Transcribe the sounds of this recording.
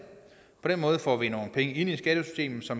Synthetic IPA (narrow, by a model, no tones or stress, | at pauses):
pʰɒ̽d̥enmɔ̽ːðˠfɒ̰ːʋino̝ːn̩pʰeŋəe̝n̰isɡ̥ɛd̥əsy̥sd̥e̝̰ːmð̩ˠsɒ̽m